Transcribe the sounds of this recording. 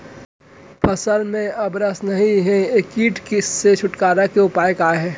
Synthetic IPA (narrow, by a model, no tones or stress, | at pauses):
pʰɐsəlmẽɐbɾəsnɐɦĩɦɛ̃ekiːʈkisːet͡ʃʰʊʈkaːɾakeʊpaːjəkaːeɦɛː